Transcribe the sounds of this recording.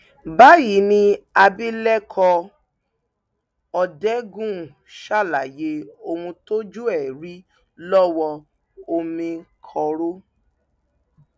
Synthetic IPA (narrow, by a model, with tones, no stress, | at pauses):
ba˦ji˨˦nĩ˧a˧bi˦lɛ˦kʰɔ˧ | ɔ˧dɛ˦ɡũ˦˨ | ʃa˦˨la˨je˧o˧hũ˧to˦d͡ʒu˦ɛ˦˨ɾi˦ | lɔ˦wɔ˧ | o˧mĩ˧kʰɔ˧˨ɾo˦